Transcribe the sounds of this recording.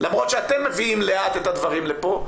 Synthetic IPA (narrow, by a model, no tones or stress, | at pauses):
lamʁot̪ʃeat̪emːeviimleat̪et̪ad̪vaʁimlepo̞